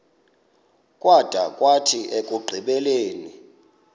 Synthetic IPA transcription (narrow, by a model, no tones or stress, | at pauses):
kʼwʔad̥ʱakʼwatʰiekʼuɡ͡ǃʱiɓɛleːni